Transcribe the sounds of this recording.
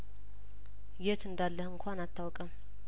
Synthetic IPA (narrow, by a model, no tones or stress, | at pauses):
jɛt̪ɨnd̪alːəhɨŋkʰʷanat̪ʰːawɔkʼəm